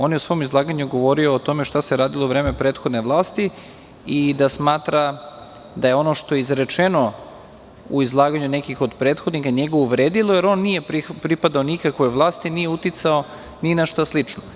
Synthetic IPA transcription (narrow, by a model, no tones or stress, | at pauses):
o̞ːnjeusʋo̞jomizlˠaːɡaɲuɡo̞ʋo̞ɾioːt̪o̞me̞ʃt̪ase̞ɾaːd̪ilˠouʋɾeːme̞pɾe̞ːt̪xo̞d̪ne̞ʋlˠaːst̪i | id̪asmaːt̪ɾa | d̪ajeo̞noʃt̪o̞jeizɾe̞t͡ʃe̞no̞ | ṵizlˠaːɡaɲune̞kixo̞d̪pɾeːt̪xod̪nixaɲeɡoʋuʋɾeːd̪ilˠojeɾo̞ːnːije̞ɾipɾipad̪aonikakʋo̞jʋlˠaːst̪inijeut̪it̪sao̞ | ninaʃt̪aslit͡ʂno